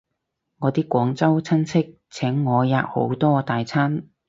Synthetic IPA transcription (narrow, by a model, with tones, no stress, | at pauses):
ŋɔː˨˧t̪iː˥kʷɔː˨˥ŋt͡sɐ˥wt͡sʰɐ˥nt͡sʰɪ˥k̚ | t͡sʰɛ˨˥ŋːɔː˨˧jaː˧k̚ho̰˨˥wt̪ɔː˥t̪aː˨jt͡sʰa˥n